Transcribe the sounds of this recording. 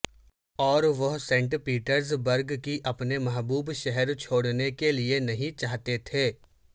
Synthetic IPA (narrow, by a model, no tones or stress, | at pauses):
ɔːɾʋɐɦsẽːɳʈpiːʈəɾzbəɾɡkiʔɐpnemɐɦbuːbʃɛɦɛɾt͡ʃʰoːɽnekelienɐɦĩt͡ʃaːɦt̪et̪ʰeː